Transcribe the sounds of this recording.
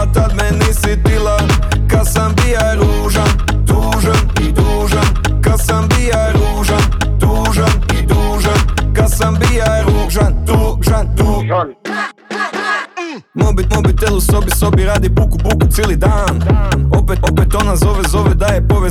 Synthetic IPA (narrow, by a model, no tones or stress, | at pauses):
t̪ad̪mɛnisit̪ilˠa | kad̪sambij | ɾuːʒan | d̪uːʒan | d̪uːʒan | kad̪sambijaɾːʒan | d̪uːʒanid̪uːʒankad̪sambijaɾuːʒand̪uʒand̪u | moubit̪mobit̪ːelˠuso̞biso̞biɾaːd̪ibukubukut̪sjeːlˠid̪aːnopetopet̪onazo̞ʋezo̞ʋɛd̪ajɛpoʋe